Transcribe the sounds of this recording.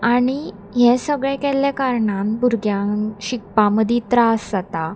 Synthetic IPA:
aɽ̃i | ɦɛ̃səɡɭɛ̃kɛljakaɾɳambuɾɡjãɕik̚pãməd̪ʱit̪ɾaszat̪a

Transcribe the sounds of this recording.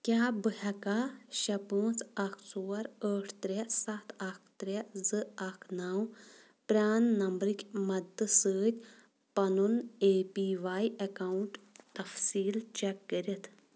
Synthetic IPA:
kʲaːbɨɦɐkaːʃɐpoːt͡sɐkʰsoːɐɾəːʈʰt̪ɾʲɛsɐt̪ʰɐkʰt̪ɾɛzɨɐkʰnaːw | pɾʲaːnːɐmbɾɨkʲmɐd̪ɨsəːt̪ʲ | pɐnuneːpiːʋaːjɐkaːwuɳʈt̪ɐfsiːlt͡ʃɛkːəɾit̪ʰ

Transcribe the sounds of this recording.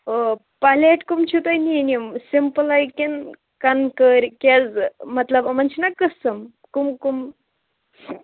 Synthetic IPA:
o | paleʈkumt͡ɕʰut̪ajnieniəmsimpəlajken | kankəɾkʲed͡zmɐt̪ləbmənt͡ɕʰinakːəsəm | kumkum

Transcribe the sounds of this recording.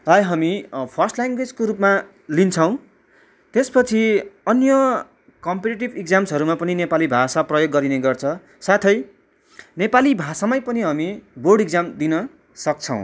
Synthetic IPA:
rajɦʌmipʰʌrsʈlaŋɡwed͡zkoɾupma | lint͡sʰʌw̃ | t̪espʌt͡sʰiʌnjʌ | kʌmpeʈeʈ̬ibik̚d͡zamsʌɾumapʌninepalibʱasaprʌjoɡːʌɾineɡʌrt͡sʰʌ | sat̪ʰʌj | nepalibʱasamʌjpʌniɦʌmiborɽik̚d͡zamd̪inʌ | sʌk̚t͡sʰʌ̰̃w̃

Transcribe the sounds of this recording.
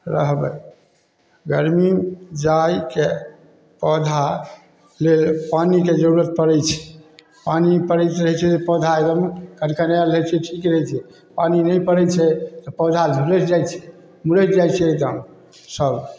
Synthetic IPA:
ɾə̰ɦbɛ̰ | ɡəɾmid͡ʒajke | pəd̪ʱa | lelpaniked͡ʒəɾuɾət̪̚pəɾɛjt͡ʃʰɛ̥ | panipəɾɛjt̪ɾəɦɛt͡ʃʰɛt̪ɔpəd̪ʱaed̪əmkənkənalɛt͡ʃʰɛʈʰikɾəɦɛt͡ʃʰɛ | paninəjpəɾɛt͡ʃʰɛt̪ɔpɔd̪ʱad͡ʒʱulɛt͡ʃd͡ʒajt͡ʃʰɛ̥ | mulɛd͡ʒajt͡ʃʰɛəd̪əm | səb

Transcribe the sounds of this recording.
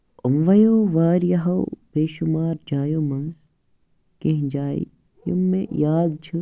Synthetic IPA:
ʊmʋɐjoːʋaːɾjɐɦɐbʱeːʃʊmaːɾd͡ʑaːjomɐ̃ŋ | kɐ̃ɦɪ̃d͡ʑaːḭ | jʊ̰mmːḛ̃jaːd̪t͡ɕʰɐ

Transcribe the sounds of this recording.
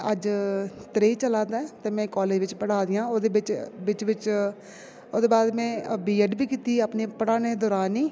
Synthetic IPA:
əd͡ʒt̪ɾeːit͡ʃəlaːd̪aːt̪eːmɛ̃ːkɔːleːd͡ʒʋɪt͡ʃpəɽaːd̪ɪjãːoːd̪eːbɪt͡ʃʋɪt͡ʃʋɪt͡ʃ | oːd̪eːbaːd̪mɛ̃ːbiːəɖbiːkiːt̪iːapneːpəɽãːnẽːd̪ɔːɾaːniː

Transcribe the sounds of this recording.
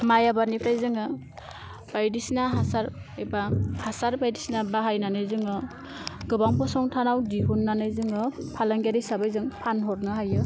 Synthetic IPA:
majabanipʰɾajzɯŋɯ | b̥ajdisnaɦasaɾ | ebahasaɾbajdisnabaɦajnanɯjzɯŋɯ | ɡɯbaŋpɔsɔŋtʰanawdiɦunːanɯjzɯŋɯpʰalaŋɡaɾisabajzɯŋpʰanɦɔɾnɯɦajɯ

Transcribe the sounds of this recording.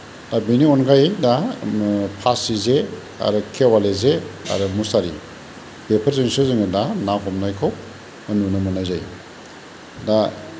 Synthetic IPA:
dabiniɔnkʰajda | pʰasize | a̰ɾɯkʰewalezea̰ɾɯmusaɾḭ | b̥epʰɐɾzeŋsɯzɯŋɯdanakʰɔmnajkʰow | anunamɯnajzaj | da

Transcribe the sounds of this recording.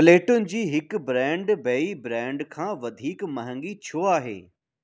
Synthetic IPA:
bleːʈʊnɪ̆d͡ʑiːɦɪkbɾɛ̃ːɳɖbeːibɾɛ̃ːɳɖkʰãːʋɐd̪ʱiːkmɐɦə̃ŋɡit͡ɕʰoːaːɦḛː

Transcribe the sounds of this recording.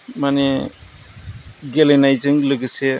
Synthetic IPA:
mane | ɡelenajzɯŋləɡɯse

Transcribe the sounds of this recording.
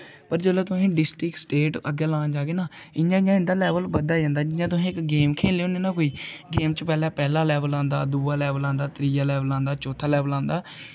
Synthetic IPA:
pəɾd͡ʒeːlaːt̪ʊsẽːɖɪsʈɾɪksʈeːʈə̰ɡɛːlãːnd͡ʒaːɡeːnaːɪɲãːɪɲãːɪ̃nd̪aːlɛːʋəlbəd̪aːd͡ʒãːnd̪aːd͡ʒɪɲãːt̪̬ʊsĩːɪkɡeːmkʰeːleoːneːnaːkoːiːɡeːmt͡ʃəpɛːlɛːpɛːlaːlɛːʋəlãːnd̪a̰ːd̪uːaːlɛːʋəlãːnd̪aːt̪ɾiːjaːlɛːʋəlãːnd̪aːt͡ʃɔːt̪ʰaːlɛːʋəlãːnd̪aː

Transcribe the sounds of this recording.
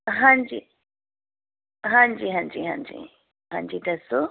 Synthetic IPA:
ɦãɲd͡ʑi | ɦãːɲd͡ʑiɦãːɲd͡ʑiɦãːɲd͡ʑḭ | ɦãːɲd͡ʑiːd̪ɐso

